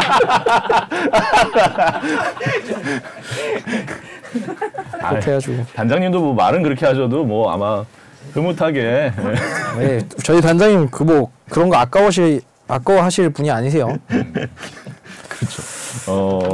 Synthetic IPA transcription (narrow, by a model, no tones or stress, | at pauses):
a̰kʰeejad͡ʑuɡotand͡ʑaŋɲimdomwʌmaɾɯnkɯɾʌkʰe̞ɦad͡ʑʌdomwʌa̰ma | kɯmotʰaɡeewet͡ɕʌitand͡ʑaŋɲimkɯmʌ | kɯɾʌnɡʌak͈awɕʰi | ak͈awɦaɕʰiɭpuɲiaɲis̬ʰe̞jo | kɯʌt͡ɕʰoʌ